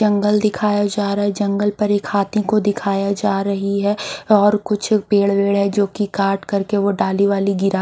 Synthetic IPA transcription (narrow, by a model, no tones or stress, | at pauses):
ɐ̃ŋɡəld̪ɪkʰaːjad͡ʒaːɾaːɦɛd͡ʒɐ̃ŋɡəlpɐɾeːkʰaːt̪ʰĩkod̪ɪkʰaːjad͡ʒaːɾɐɦiɦɛɔːɾkʊt͡ʃʰpeːɽʋeːɽɦɛd͡ʒoːkikaːɾʈkɐɾkeʋoɖaːliʋaːliɡɪɾa